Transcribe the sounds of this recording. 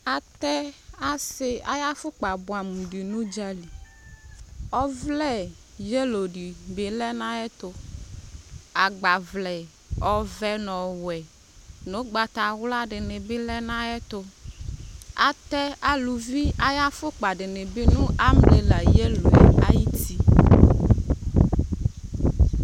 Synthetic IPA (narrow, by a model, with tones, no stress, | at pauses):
a˨t̪ɛ˦a˨sɪ˦a̰˨˦ja˦fʊ˦k͡pa˨bʊ˨a˨mu˨ɖi˨nũ˦d͡ʒa˦li˨ | ɔ˦vlɛ˦˨ | je˦lo˨ɖi˨be˨lɛ˦nã˦ɛ˦t̪ʊ˨ | a˨ɡ͡ba˨vlɛ˨ | ɔ˨vɛ˦nɔ̃˨wɛ˨ | nõ˦ɡ͡ba˨t̪a˨wla˦ɖɪ˨nɪ˨bɪ˦lɛ˦nã˦ɛ˦t̪ʊ˦ | a˨t̪ɛ˦a˦lu˨vi˦a˦ja˦fʊ˦k͡pa˨ɖɪ˨nɪ˨bɪ˦nũ˦a˦mle˨la˨je˦lo˨ḛ˨a˦ji˦t̪i˦